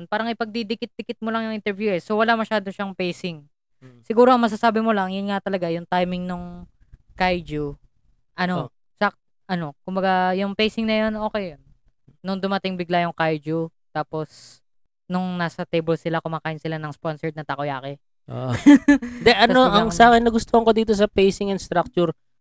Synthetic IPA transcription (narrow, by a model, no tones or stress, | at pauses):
npaːɾɐŋɪpɐɡ̚d̪id̪ɪkɪt̪̚d̪ɪkɪt̪̚molɐŋjʊŋʔɪnt̪ɛɾvjuʔɛsowɐlamɐʃaːd̪o̞ʃaŋpejsɪŋ | sɪɡuːɾoɐŋmɐs̬asaːbɪmolɐŋjʊnŋat̪ɐlɐɡajʊŋt̪ajmɪŋnʊŋ | kajd͡ʒu | ʔɐno | sɐk | ʔɐno̞kʊmbɐɡajʊŋpejsɪŋnɐjonʔo̞ːkɛjjonː | ʊŋd̪ʊmɐt̪ɪŋbɪɡlajʊŋkajd͡ʒut̪aːpo̞s | nʊŋnaːsɐt̪ejbɛlsɪlakʊmaːkaːʔɪnsɪlanɐŋsponsɛɹd̪nɐt̪akojaːkɛ | d̪ɛʔɐnoʔɐŋsɐʔaːkɪnːɐɡʊst̪ohɐŋkod̪iːt̪os̬ɐpejsɪŋɛnst̪ɾak̚t͡ʃuɾ